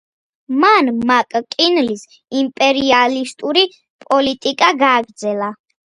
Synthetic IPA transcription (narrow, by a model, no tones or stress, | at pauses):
manmakʼkʼinlis | impʼɛɾialist̪ʼuɾi | pʼɔlit̪ʼikʼaɡaːɡɾd̪zɛlˠa